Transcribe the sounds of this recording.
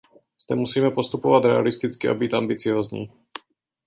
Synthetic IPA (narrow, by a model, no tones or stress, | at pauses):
z̥d̪ɛmusiːmɛpo̞st̪upovat̪ɾɛalɪst̪ɪt͡skɪʔa̰biːt̪ʔambɪt͡sɪoːzɲḭː